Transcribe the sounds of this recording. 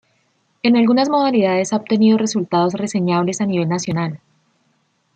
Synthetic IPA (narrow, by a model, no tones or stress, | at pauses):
e̞nalɡunazmo̞ð̞aliðaðe̞saob̚t̪e̞niðo̞re̞sult̪aðo̞sre̞se̞ɲaβle̞saniβ̞e̞lnasjo̞nal